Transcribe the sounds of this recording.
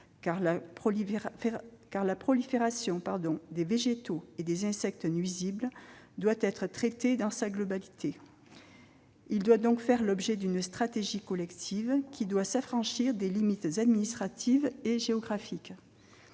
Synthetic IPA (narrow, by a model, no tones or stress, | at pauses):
kaʁlapχɔ | kaʁlapχɔlifeʁasjɔ̃paʁd̪ɔ̃d̪eveʒet̪oed̪ezɛ̃sɛk̚t̪nɥizibld̪wat̪ɛt̪χət̪χet̪ed̪ɑ̃saɡlɔbalit̪ʰe | ild̪wad̪ɔ̃kfɛʁlɔbʒed̪ynst̪χat̪eʒikɔlɛkt̪ʰivkʲʰid̪wasafχɑ̃ʃiʁd̪elimit̪zad̪minist̪χat̪ʰiveʒeɔɡʁafik